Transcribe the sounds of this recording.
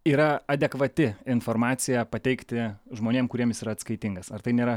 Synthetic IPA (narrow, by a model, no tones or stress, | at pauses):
iːɾɐɐd̪ʲɛkʋɐt̪ʲɪɪnfoːɾmɑːt̪sʲɪjɛpɐt̪ʲɛɪkt̪ʲɪʒmoːnʲeːmkʊɾʲiɛmjɪsiːɾɐt̪skɐɪt̪ʲɪŋɡɐsɐrt̪ɐɪnʲeːɾɐ